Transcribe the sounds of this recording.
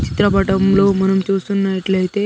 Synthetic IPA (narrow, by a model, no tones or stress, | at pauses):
t͡ɕi̥t̪ɾapaʈəmlomənəmt͡ɕesuːnːaiʈləɦet̪e